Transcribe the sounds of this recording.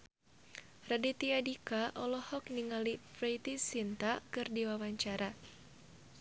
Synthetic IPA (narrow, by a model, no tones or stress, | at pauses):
radit̪iadikaʔɔlɔhɔk̚niŋalifɾejt̪isint̪akɨrdiwawaɲt͡ʃaɾa